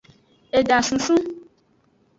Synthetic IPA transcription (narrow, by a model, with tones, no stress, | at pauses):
e˨ɖa˨sũ˨sũ˦